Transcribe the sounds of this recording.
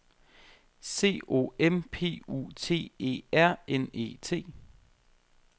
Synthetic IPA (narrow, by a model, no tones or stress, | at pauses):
se̝̰ːo̝̰ːempʰe̝̰ːṵt͡sʰe̝̰ːe̝̰ːæɐ̰ene̝̰ːt͡sʰe̝̰ː